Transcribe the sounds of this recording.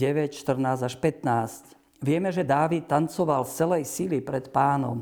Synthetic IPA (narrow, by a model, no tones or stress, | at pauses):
ɛʋɛcʃt̪r̩naːzaʃpɛt̪naːsc | ʋɪɛmɛʒɛd̪aːʋit̪ːant͡sɔʋalft͡sɛlɛjsilipɾɛt̪paːnɔ̰m